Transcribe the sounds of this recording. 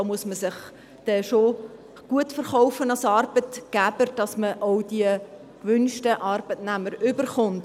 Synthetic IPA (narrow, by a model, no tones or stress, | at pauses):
oːmuəsməsɪχ | d̥ɛʃo | ɡ̥uətfəɾχɔʊfənɑlsɑːrb̥ətɡ̥æb̥əɾd̥ɑsməʔɔʊd̥iə | kʋʏnʃtəʔɑːɾb̥ətnæməɾʏbərχʊnt